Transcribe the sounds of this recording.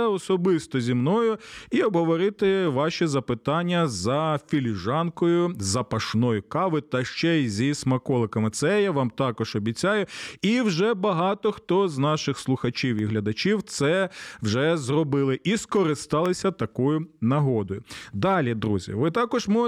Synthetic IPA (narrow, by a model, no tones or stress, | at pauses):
ɐɔsɔbɪst̪ɔzʲimnɔjʊiɔbɦɔʋɔɾɪt̪ɪʋɑʃizɐpɪt̪ɑnʲːɐzɐfʲilʲiʒɑnkɔjʊzɐpɐʃnɔjʊkɑʋɪt̪ɐʃt͡ʃɛizʲismɐkɔlˠɪkɐmɪt̪sɛjaʋɑmt̪ɑkɔʒɔbʲitt͡sʲajʊiwʒɛbɐɦɑt̪ɔxt̪ɔznɑʃɪxslˠʊxɐt͡ʃʲiwiɦlʲɐd̪ɐt͡ʃʲiwt̪sɛwʒɛzrɔbɪlˠɪʔiskɔɾɪst̪ɑlˠɪsʲɐt̪ɐkɔjʊnɐɦɔd̪ɔjʊd̪ɑlʲid̪ɾuzʲḭʋɪt̪ɑkɔʒmɔ